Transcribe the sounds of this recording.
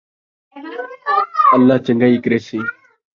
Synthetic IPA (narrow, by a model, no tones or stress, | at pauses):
əlːaːt͡ʃəŋɡaːiːkəɾeːsiː